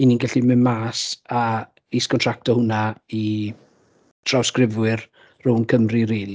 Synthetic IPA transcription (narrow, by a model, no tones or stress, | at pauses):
ininɡɛɬiməmaːsa | iːskʰɔntʰr̥ak̚tɔhʊnai | tʰr̥awskrɪvwɪr | rʊwnkʰəmriɾeːl